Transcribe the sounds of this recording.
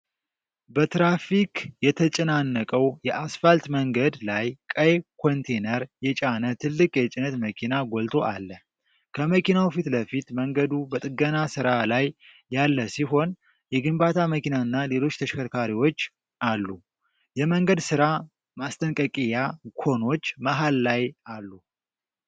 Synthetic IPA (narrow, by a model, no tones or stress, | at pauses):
bət̪ɾafikjɛt̪ʰət͡ʃʼɛnanːəkʼəwjɛʔasfalt̪məŋɡəd̪lajkʼəjekʰo̞nt̪ʰe̞nəɾjɛt͡ʃʼanət̪ʰɨlːɨkʼjɛt͡ʃʼɪnət̪məkʰinaɡolt̪ʰo̞ʔalːə | kʰəməkinawfit̪ləfit̪məŋɡəd̪ubət̪ʼɨɡənasɨɾalajː | alːəsiɦo̞n | jɛɡɨmbat̪ʰaməkinaɨnːale̞lo̞t͡ʃːt̪ʰəʃkʰəɾkʰaɾiwo̞t͡ʃː | ʔalːu | jɛməŋɡəd̪sɨɾa | mast̪ʼənkʼəkʼijakʰo̞no̞t͡ʃːmaɦalːajalːu